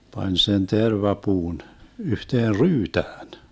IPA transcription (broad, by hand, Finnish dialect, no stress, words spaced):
pɑnʲ sen terʋɑpuːn yhteːr ryːtæːn